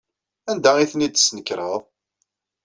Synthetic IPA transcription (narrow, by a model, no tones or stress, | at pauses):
ænd̪æiθnid̪snəkːɾəðˤ